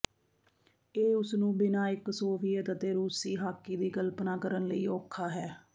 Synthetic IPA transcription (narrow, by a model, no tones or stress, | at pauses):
eːʊsnũːbɪnaːɪksoːpʰɪːet̪ət̪eːɾuːsiːɦaːkːiːd̪iːkəlpnaːkəɾənləḭːɔːkʰːaːɦɛː